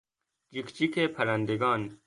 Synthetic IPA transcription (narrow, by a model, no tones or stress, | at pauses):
d͡ʒikt͡ʃikeːpʰɐɾand̪eɡɑːn